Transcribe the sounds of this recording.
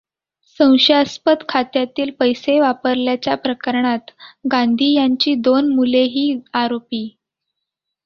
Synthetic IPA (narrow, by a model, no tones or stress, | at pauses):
sə̃w̃ɕaspət̪kʰat̪jat̪iːlpəjseʋapəɾljat͡ɕjapɾəkəɾɳat̪ɡand̪ʱiːjaɲt͡ɕiːd̪onmuleɦiːaɾopiː